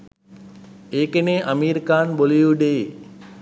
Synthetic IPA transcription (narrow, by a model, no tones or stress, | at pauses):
eːkeneːʔamiːɾikaːnbolijuɖeː